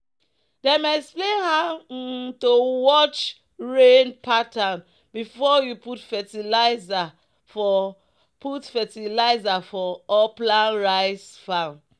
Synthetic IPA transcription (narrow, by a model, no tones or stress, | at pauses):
dɛmeɛksplẽnhatowɔt͡ʃ | ɹenpʰatan | bifɔjuputfɛtilaza | fɔ | putfɛtilaɪzafɔɔplãnɹaɪsfãn